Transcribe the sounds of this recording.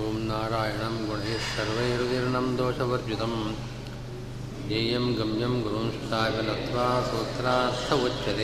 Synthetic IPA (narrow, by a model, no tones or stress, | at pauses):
uːmnaːɾaːjɐɳɐmɡoɳeːʃːɐɾʋɐjeɾud̪iɾɳɐmd̪oːʃɐʋɐɾd͡ʒut̪ɐm | d͡ʒeːjɐmɡɐmjɐmɡuɾuːnsɐt̪aːʋɐnɐt̪ʋaːsɐʋɐt̪ɾaːɐɾt̪ʰːɐʋot͡ʃːʃɐt̪e